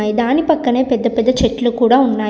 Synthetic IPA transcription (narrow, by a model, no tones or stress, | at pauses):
aːjid̪aːnipɐkːɐɳeːpɛd̪ːɐpɛd̪ːɐt͡ʃɛʈːilukuːɽaːunːaː